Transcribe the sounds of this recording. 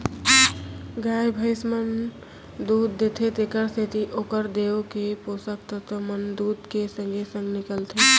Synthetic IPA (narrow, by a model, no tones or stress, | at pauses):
ɡajbʱəɪsmən | d̪uːd̪̚ːet̪ʰet̪ekəɾsʰet̪iʔokəɾd̪eokeposək̚t̪ət̪əmənd̪uːd̪kesə̃ŋɡʱesə̃ŋɡnɪkəlt̪ʰe